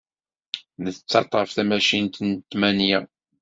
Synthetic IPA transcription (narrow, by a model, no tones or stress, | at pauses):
nəθt͡sːɑt̪ˤːʁəfθæmæʃint̪nt̪ːmænjæ